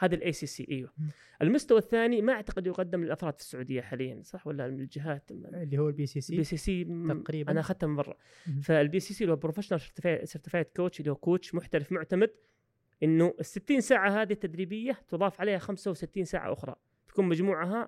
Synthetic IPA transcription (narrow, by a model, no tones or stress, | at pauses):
haːðalʔeːsiːsḭːʔaːwa | ʔɪlmʊst̪awaθːaːnimaʔaʕt̪aqɪd̪jʊqɑd̪ːɪmlɪlʔafɾˤɑːd̪fɪ̥sːʊʕuːd̪ɪjːaħaːlɪjːa̰nsˤɑħwalːaɪld͡ʒɪɦaːt̪lːihʊːlbisibiːsiːsiːɾːʔanaʔxad̪t̪ambɑrˤːɑ̰ | faɪlbiːsiːsiːlabɾofaʃnaɾˤʃɪɾt̪ɪfasɪɾt̪ɪfaːjakoːt͡ʃlːiːhukoːt͡ʃmʊħt̪alɪfmʊʕt̪amad̪ | ʔɪnːʊʔɪsːɪt̪ːiːnsaːʕahaːðiht̪ːad̪ɾiːbɪjːat̪ʊðˤɑːfʕaleːhaxamsawsɪt̪ːiːnsa̰ːʕa̰ʔʊ̰xɾˤɑ̰ | t̪ḁkuːnmad͡ʒmuːʕaɦa